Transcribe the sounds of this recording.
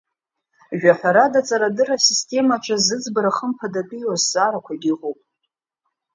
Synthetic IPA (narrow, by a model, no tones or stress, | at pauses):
ʒᶣaħʷᶣaɾadat͡sʼaɾadɨrasistʰʼe̞maʈ͡ʂʷʰʼazɨd͡zbɨɾaχəmpʰadapʼijozzaɾakʷʰaidiʁʷopʼ